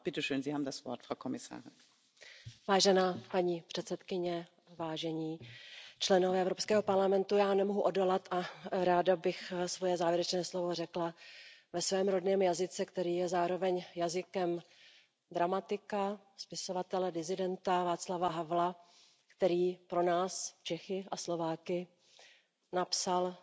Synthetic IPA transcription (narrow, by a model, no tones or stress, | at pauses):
b̥ɪtɛʃøːnziːhaːbm̩dasv̥ɔ̰ɐtfʁ̥awkʰomɪsa̰ːʁɪn | vaːʒɛnaːpaɲiːpr̥ɛt̪sɛt̪kɪɲɛ | vaːʒɛɲiːt͡ʃlɛnovɛːɛvɾo̞pskɛːɦo̞paɾlamɛnt̪ujaːnɛmoɦuʔodo̞lat̪ʔaɾaːdabɪxsvojɛzaːvjɛɾɛt͡ʃnɛːslo̞vo̞rɛklavɛsvɛːmɾo̞dnɛːmjazɪt͡sɛkt̪ɛɾiːjɛzaːɾo̞vɛɲjazɪkɛm | d̪ɾamat̪ɪka | spɪso̞vat̪ɛlɛdɪzɪdɛnt̪avaːt̪t͡slavaɦavla | kt̪ɛɾiːpɾo̞naːst͡ʃɛxɪʔaslo̞vaːkɪ | napsal